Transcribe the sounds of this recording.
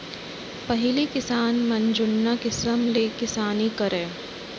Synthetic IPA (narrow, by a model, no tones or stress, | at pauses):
pɐɦɪlikɪsaːnmɐ̃nd͡ʒʊnːakɪsəmleːkɪsaːnikɐɾẽː